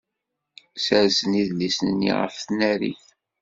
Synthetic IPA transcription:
səɾsəniðlisnənːḭʁə̰fθnæɾḭθ

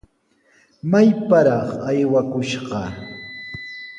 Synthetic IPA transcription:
majpaɾɑχajwakʊʃɢɑ

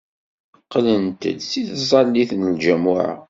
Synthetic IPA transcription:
qlənt̪ə̰d̪siθzˤɑlːiθnəld͡ʒæmʊʕa̰

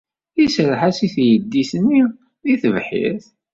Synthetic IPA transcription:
isəɾħasiθjəd̪ːisənːi | ðiθəvħḭθ

